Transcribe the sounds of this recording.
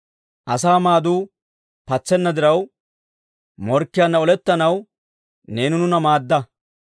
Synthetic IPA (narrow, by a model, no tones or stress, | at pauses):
ʔɐsaːmaːd̪uː | pɐt͡sːɛnːɐd̪ɪɾɐw | mɔɾkːɪjanːɐɔlɛt̪ːɐnɐw | ne̞ːnʊnʊnɐmaːd̪ːɐ